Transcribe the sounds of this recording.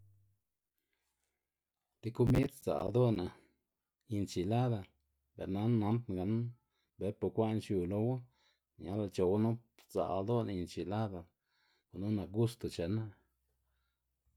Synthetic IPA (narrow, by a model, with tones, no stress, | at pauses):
t̪i˧ku˦mi˦d̪z̥a̰˨ʔd̪o˦na˨ | ji˧nt͡ʃi˨la˦d̪a˨l | bḛ˨ɾna˦nna˨˦mt̪ŋɡa˨˦n | be˨˦po˨kʷa˦˧nt͡ʃju˨lo˧wa˦ | ɲa˨˦la˧t͡ʃo˨wa˦nu˦ | z̥a̰˨˧d̪o˦na˧ji˧˨nt͡ʃi˨la˦d̪a˨l | ku˨nu˦na˨kɡu˦st̪u˨t͡ʃe˨na˦